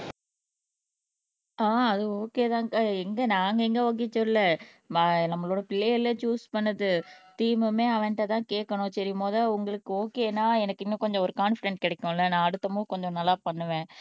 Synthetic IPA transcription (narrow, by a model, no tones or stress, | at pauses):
aːɐðɯoːkeːt̪ãːŋkaɛŋɡɐnaːŋɡɐɛŋɡɐoːk̬eːt͡ʃɔlɪlɐ | mnɐmːɐɭoːɽɐpɪlːejɪlːɐt͡ʃuːspɐnːɐðɯt̪iːmɯmeːɐʋɐ̃nɪʈːɐt̪ãːkeːʈkːɐɳʊ̃sɐɾɪmoːðaʊŋɡɐɭɯkːɯoːkeːnaːɛnɐkːɪnːõkɔɲd͡ʒɔ̃ɔɾɯkaːnfɪɖɛɳʈ̚kɪɽɛkːʊ̃ɪlːɐnãːɐɽɯt̪ːɐmoːkɔɲd͡ʒɔ̃nɐlːaːpɐɳːɯʋẽː